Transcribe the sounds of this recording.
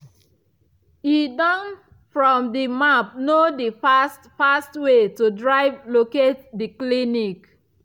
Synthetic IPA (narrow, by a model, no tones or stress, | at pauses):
idɔ̃n | fɹɔ̃mdimap̚nodifastfastwetudɹaɪvloketdiklinik